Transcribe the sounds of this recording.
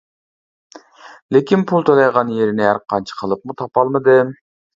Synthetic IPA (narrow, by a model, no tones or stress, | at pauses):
lɪkʲinpʰulˠt̪ʰolˠɑjʁɑnjeɾɪnɪæɾqʰɑnt͡ʃʰi̥qʰəlˠɨp̚mut̪ʰɑpɑlˠmɨd̪ɨ